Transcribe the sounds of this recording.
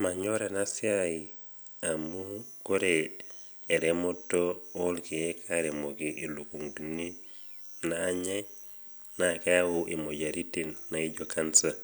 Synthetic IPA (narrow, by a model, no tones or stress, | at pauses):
maɲoɾenasiaji | amukoɾe | eɾemotːoolkiekʰaɾemokiʔilukuŋduni | naːɲaj | nakeawuʔimoɟaɾitinːaiɟokansa